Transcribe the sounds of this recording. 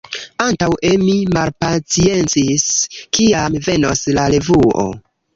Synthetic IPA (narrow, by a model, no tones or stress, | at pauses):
antawemimalpat͡sie̞nt͡siskiamve̞no̞slale̞vuo̰